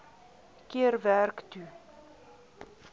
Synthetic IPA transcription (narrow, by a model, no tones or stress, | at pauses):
kiərværkty